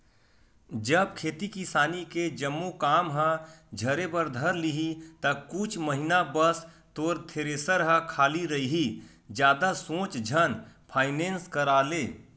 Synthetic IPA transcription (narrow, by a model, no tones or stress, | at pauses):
d͡ʒəb̚kʰeːt̪ikɪsaːniked͡ʒəmːokaːmɦə̃d͡ʒʱəɾebəɾd̪ʱəɾliɦit̪əkʊt͡ʃʰməɦinabəs | t̪oːɾt̪ʰeːɾeːsəɾɦə̃kʰaːliɾəɦiɦi | d͡ʒjaːd̪asõːt͡ʃd͡ʒʱənpʰaːɪnẽːnskəɾaːleː